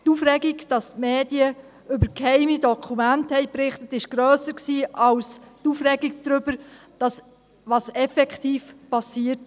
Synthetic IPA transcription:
tufɾɛɡiɡd̥ɑstmeːd̥iə | ʏbəɾkhɛɪmidɔkʰχumænthɛɪpɾɪχtətɪʃɡ̥ɾœːsəksiːʔɑlstufrɛɡiɡ̚d̥ɾʏb̥əɾ | d̥ɑs | ʋɑsɛfɛkχtiːfpɑsiːət

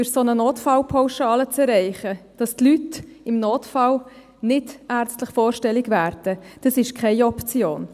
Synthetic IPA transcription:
yɾsonənoːtfɑlpʰaʊʃɑːlət͡sɛrɛɪχəd̥ɑstlytɪmnoːtfɑl | nɪdæːrt͡stləχfoːɾʃtɛlɪɡvæːɾd̥əd̥ɑsɪʃkʰχɛɪɔpt͡sjoːn

